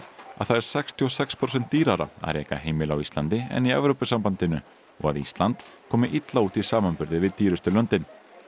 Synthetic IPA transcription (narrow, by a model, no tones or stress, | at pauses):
a̰ðθaðɛɾ̥sɛkst̪ʰiɔsɛkspʰɾosɛnt̪ːiːɾaɾa̰a̰ðɾɛ̰ːka̰heːjmɪlawist̪ant̪ɪɛ̰niɛvɾowpʏsampant̪ɪnʏ̰ | ɔ̰ɣa̰ðist̪lant̪kʰɔːmɪʔit̪lauːt̪isaːmanpʏɾðɪvɪðt̪ːiːɾʏst̪ʏlœnt̪ɪn